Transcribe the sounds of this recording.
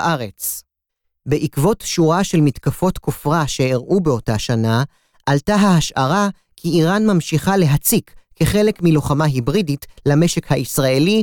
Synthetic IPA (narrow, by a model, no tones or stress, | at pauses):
ʔaʁe̞t͡s | beʔikvo̞tʃuʁaʃe̞lmitkafo̞tkʰofʁaʃe̞eʁʔubeo̞taʃana | ʔaltaɦahaʃʔaʁa | kʰiːʁanmamʃiχale̞ɦat͡sikːeχe̞le̞kmiloχamaɦibʁiditlame̞ʃekhaʔisʁae̞li